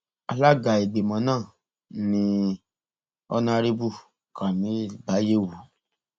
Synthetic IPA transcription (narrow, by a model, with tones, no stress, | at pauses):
a˧la˦ɡa˨i˨ɡ͡be˨mɔ̃˨˦nãː˦˨ | nĩ˧ | ɔ˦nã˦ɾi˦bu˦˨ | ka˨mĩ˨˦˨ba˨˦je˦˨wu˨